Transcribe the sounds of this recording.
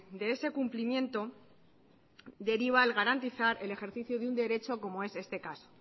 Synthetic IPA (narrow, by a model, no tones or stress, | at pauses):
d̪e̞e̞se̞kumplimjẽ̞nt̪o̞ | d̪e̞ɾiβ̞alɣaɾant̪iθaɾe̞le̞xe̞ɾθiθjoðund̪e̞ɾe̞t͡ʃo̞ko̞mo̞e̞se̞st̪e̞kaso̥